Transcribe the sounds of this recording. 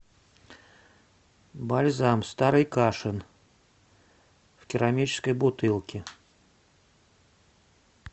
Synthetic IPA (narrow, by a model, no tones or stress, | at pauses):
balʲzamst̪aɾɨjkaʂɨn | wkʲɪɾamʲit͡ɕɪ̥skəjbʊt̪ɨlˠkʲɪ